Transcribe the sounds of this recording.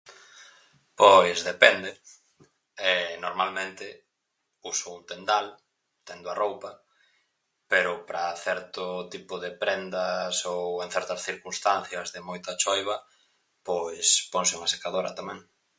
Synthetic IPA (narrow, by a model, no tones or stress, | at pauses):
pojzðepɛnd̪e | ɛnoɾmalmẽnt̪ɪ | usount̪end̪al | t̪end̪ʊɐrowpɐ | peɾʊpɾɐθɛɾt̪ʊt̪ipʊðepɾɛnd̪ɐsoweŋθɛɾt̪ɐsθiɾkunst̪anθjɐzðɪmojt̪ɐt͡ʃojβ̞ɐ | pojspoŋsɪuŋase̥kaðoɾɐt̪amɛ̃ŋ